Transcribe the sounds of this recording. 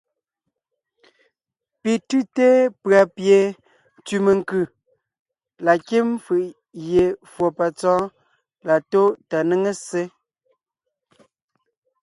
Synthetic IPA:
pi˨tʉ˦te˦pɰa˨pje˨˦ | tʉ˨me˨ŋ˦kʉ˦˨ | la˨ke˦mfɯ˨ʔ | je˨fwo˨pa˨t͡sɔ̃ː˦ | la˨to˦ta˨ne˦ŋe˦se˦

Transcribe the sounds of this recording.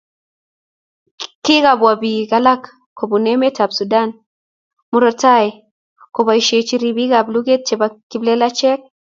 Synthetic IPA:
ki˦ɡabwa˨bi˨ɡa˦la˦k | kːo˨bune˦me˦tʰabsudan | mu˨ɾɔta˦e | ko˨ba˨iʃe˨t͡ʃi˦ɾibi˦ɡablu˦ɡe˦t̚t͡ʃɛ˨ba˨kːi˦ble˦la˦t͡ʃɛ˦k̚

